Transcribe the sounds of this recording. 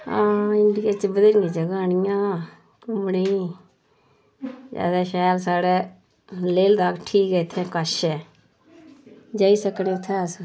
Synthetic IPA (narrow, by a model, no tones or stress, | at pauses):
ãːɪɳɖikeːt͡ʃbəd̪ənŋẽd͡ʒəɡaːnɪjãː | kʊmɽi | d͡ʒa̰ːd̪ɛːʃaːjlsaːɽeː | leːld̪aːkʈʰiːkɛːɪt̪ʰːẽːkəʃɛː | d͡ʒaːiːsəkɽẽːʊt̪ʰːeːas